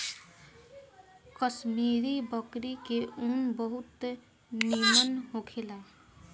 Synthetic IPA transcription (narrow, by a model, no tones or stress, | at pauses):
kʌsmiɾibʌkɾikeunbəɦut̪ | nimənɦokʰelae